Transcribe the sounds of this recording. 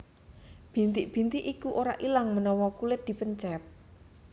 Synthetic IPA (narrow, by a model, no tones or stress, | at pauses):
b̥i̤nt̪ɪʔb̥i̤nt̪ɪʔikuʔoɾa̰ʔilaŋmənɔwɔkulɪt̪̚d̪̥i̤pəɲt͡ʃɛp̚